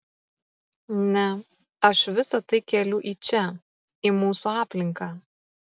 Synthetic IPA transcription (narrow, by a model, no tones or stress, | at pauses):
nʲɛ | ɐʃʋʲɪsɐt̪ɐɪkʲɛlʲʊʔiːt͡ʃʲɛ | ɪmuːsuːɑːpʲlʲɪŋkɑː